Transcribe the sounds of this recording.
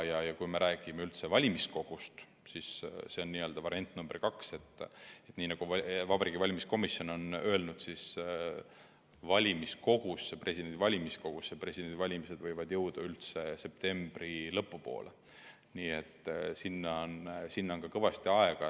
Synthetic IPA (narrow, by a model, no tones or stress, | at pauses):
jɑjɑkujme̞ɾʔæːɡ̥imeylt̪se̞vɑlʲimisko̞ɡ̥ust̪ | sisse̞o̞nːiːø̞ld̪ɑvɑɾiɑnt̪ːˑnumb̥erkɑkse̞t̪ːˑe̞t̪ːˑniːnɑɡ̥uɑvɑbɑɾiɡ̥ivɑlʲimisko̞misjo̞no̞nø̞ːlnud̪̥sis | vɑlʲimisko̞ɡ̥usːepre̞s̬ʲid̥̪ed̪̥ʲivɑlʲimisko̞ɡ̥usːepre̞sʲid̪̥e̞nd̪ivɑlʲimise̞d̪vɤjvɑd̪̥jɤwd̪̥ɑylt̪se̞se̞p̚t̪e̞mb̥rilɤpːupo̰ːlʔe | niːe̞t̪ːˑsinːɑnsinːonkɑkɤvɑst̪iɑe̞ɡ̥ɑ